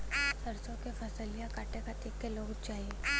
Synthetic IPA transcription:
sɐɾsõkefʰɐsəlijakaːʈekat̪eːkːeloːɡt͡ʃaːɦieː

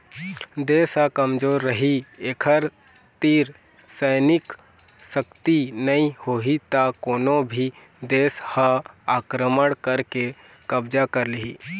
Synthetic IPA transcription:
d̪eːsɦəkəmd͡ʒoːɾːəɦieːkʰəɾ | t̪iːɾ | səɪnɪk | səkt̪inəĩhoːɦit̪akoːnõbʱi | d̪eːshəaːkɾəməɽ̃kəɾke | kəbd͡ʒakəɾliɦi

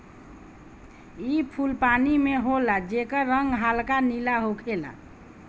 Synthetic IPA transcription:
ipʰulpanimeɦolad͡ʒekəɾəŋɡɦalkanilaɦokʰela̰

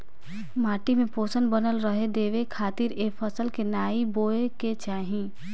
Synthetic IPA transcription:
maːʈimẽpoːsənbənəlɾəɦed̪eːʋekʰaːt̪iɾeːpʰəsəlkenaːiboːeket͡ʃaːɦĩ

